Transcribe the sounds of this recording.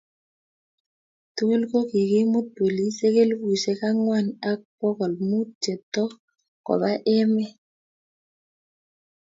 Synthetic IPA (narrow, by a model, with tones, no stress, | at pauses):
tu˦e˦lko˦ki˨kɪ˦mu˦t̪̚po˨li˦se˦ke˦lbu˨se˦ka˦ŋwa˦˨na˦k̚pɔ˦kɔ˨lmu˦t͡ʃe˨t̪ɔ˦ | kɔ̰˨ba˦ʔɛ˦mɛ˦